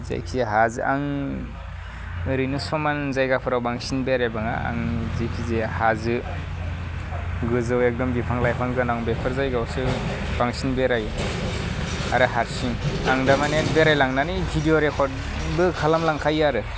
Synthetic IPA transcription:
za̰jkʰiɦazʔaŋ | ɾinɯsɔmanzajɡapʰɯɾawbaŋsinbeɾajbaŋa̰a̰ŋzikʰizehazɯ | ɡɯzɯwek̚dɔmɡipʰaŋlajpʰaŋɡɯnawŋbepʰɯɾzajɡawsɯ | b̥aŋsinbeɾaj | a̰ɾɯɦaɾsiŋaŋdamanenbeɾajlaŋnanibʰʱidioɾekʰɔt̚ | bɯkʰalamlaŋkʰajaɾɯ

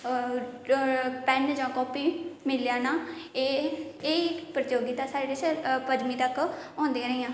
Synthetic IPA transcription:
pɛnd͡ʒãːkɔːpiːmɪljaːnaːeːeːipɾət̪oːɡiːt̪asaːɾeːdɪt͡ʃpəd͡ʒmiːt̪əkɔ̃ːnd̪ĩaːɾəiːãː

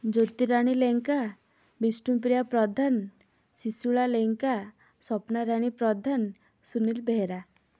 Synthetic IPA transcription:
d͡ʒot̪iɾaɽ̃ileŋka | bisʈumpɾijapɾɔd̪ʱan | sisuɭaleŋka | sɔpnaɾaɽ̃ipɾɔd̪ʱan | sunilbʱeɾa

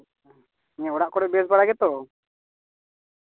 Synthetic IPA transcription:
ɲɛɔɽaʔkɔɽɔbiɛsbaɽaɡɛt̪ɔ

